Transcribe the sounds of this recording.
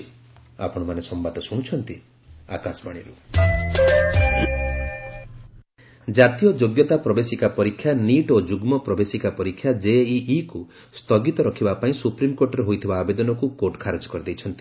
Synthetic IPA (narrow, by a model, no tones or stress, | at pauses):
a̰pɔɽ̃ɔmanesɔmbad̪ɔsuɽ̃ũt͡ʃʰɔnt̪i | a̰kasbaɽ̃iɾu | d͡ʒat̪ijɔd͡ʒoɡjɔt̪apɾɔbesikapɔɾikʰːjaniʈod͡ʒuɡmɔpɾɔbesikapɔɾikʰːjad͡ʒeiːku | st̪ɔɡit̪ɔɾɔkʰibapaĩsupɾimɔkoɾʈɔɾeɦojt̪ʰibaːbed̪ɔnɔkukoɾʈɔ̥kʰaɾed͡ʒɔ̥kɔɾid̪ejt͡ʃʰɔnt̪i̥